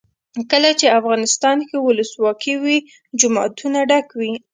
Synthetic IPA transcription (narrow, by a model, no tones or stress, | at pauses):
kəlat͡ʃeafɣɑnɪst̪ɑnkewʊləswɑkʰiwi | d͡ʒʊmɑ̰t̪ʰunaɖakwi